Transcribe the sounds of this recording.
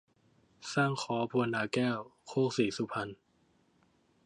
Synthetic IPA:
saː˥˩ŋkʰɔː˩˦pʰu˧ə˧nːaː˨˦kɛː˥˩wkʰoː˥˩k̚siː˨˩˦su˧˦pʰa˧n

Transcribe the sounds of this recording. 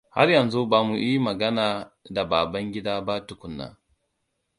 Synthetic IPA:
ha̰˦rjɐ˨nzu˦ba˨mu˨ji˦i˦mɐ˨ɡɐ˦naː˨da˨baː˨bɐ˦ŋɡʲɪ˦daː˦ba˦tʊ˨kʷʊ˨nːa̰ː˨

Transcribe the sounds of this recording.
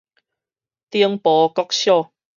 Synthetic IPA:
t̪i˦˧əŋpɔː˨˦kɔ˦˥k̚ɕjɔ˥˨

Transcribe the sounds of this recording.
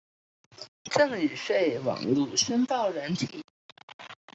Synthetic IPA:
ʈ͡ʂɤ˥˩ŋy˨˩ʂwe˥˩ɪwɑ̰˨˩ŋlu˥˩ʂə˥nt̪ɑ˥˩ʊɻə˧˥nt̪ʰḭ˨˩˦

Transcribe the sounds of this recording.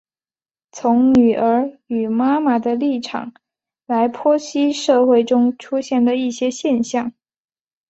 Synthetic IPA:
t͡sʰʊ˧˥ŋny˨˩ʔə˞˧˥y˨˩ma˥ma˨˩d̪ə˧li˥˩ʈ͡ʂʰɑ̰˨˩˦ŋ | la˧˥ɪpʰwɔ˥ɕi˥ʂɤ˥˧xwe˥˩ɪʈ͡ʂʊ˥ŋʈ͡ʂʰu˥ɕjɛ˥˩nd̪ə˩i˥˩ɕjɛ˥ɕjɛ˥˧nɕjɑ˥˩ŋ

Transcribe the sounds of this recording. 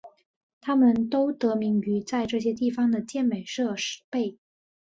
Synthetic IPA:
t̪ʰa˥mə˨nt̪o˥ʊt̪ɤ˧˥mi˧˥ŋy˧˥t͡sa˥˧ɪʈ͡ʂɤ˥˩ɕjɛ˥t̪i˥˩fɑ˧˩ŋd̪ə˨t͡ɕjɛ˥˩nme˨˩ɪʂɤ˥˧ʂɻ̩˧˥pe˥˩ɪ

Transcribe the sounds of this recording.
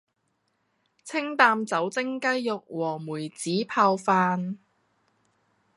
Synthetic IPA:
t͡sʰɪ˥ŋt̪aː˧mt͡sɐ˨˥wt͡sɪ˥ŋkɐ˥jːʊ˨k̚wɔː˨˩muː˨˩jt͡siː˨˥pʰaː˧wfaː˧n

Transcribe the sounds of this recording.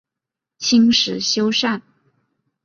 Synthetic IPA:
t͡ɕʰi˥ŋʂɻ̩˨˧˥ɕjo˥ʊʂa˥˩n

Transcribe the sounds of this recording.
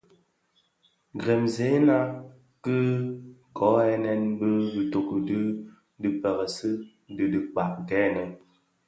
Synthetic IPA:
ɡɾɛ˨mze˨˦na˦ | kɨ˦kɔ˨˦ɛ˦nɛ˦nbə˦bi˨to˨kə˨dɨ˦ | dɨ˨pɛ˨ɣə˨sɨ˦ | dɨ˨di˦k͡pa˨ʔɡɛ˦nə˨

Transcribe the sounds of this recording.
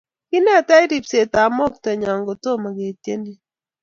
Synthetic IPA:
ki˦nɛ˦˨ta˦i˦ɾi˨pse˨ta˨mo˦k̚tɛ˨ɲa˨ŋɡo˨to˦˨ma˨ke˨te˦ni˦

